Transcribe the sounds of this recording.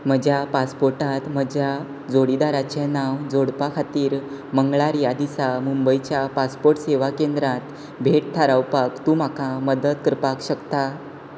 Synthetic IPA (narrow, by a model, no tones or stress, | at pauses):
m̤əd͡ʑʱjapaspoɾʈat̪m̤əd͡ʑʱja | d͡zoɽid̪aɾat͡ɕenaʋd͡zoɽpakʰat̪iːɾ | məŋɡɭaɾjad̪isamumbəjt͡ɕjapaspoɾʈseʋakend̪ɾãt̪ | bʱeʈ̚t̪ʰaɾaʋwpakt̪uːm̤akaməd̪əd̪̚kəɾpakɕəkt̪a